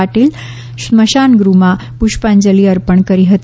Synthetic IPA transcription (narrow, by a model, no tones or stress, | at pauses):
aʈiːl | ɕməɕanɡɾuma | puɕpaɲd͡ʑəliːəɾpəɳkəɾiɦət̪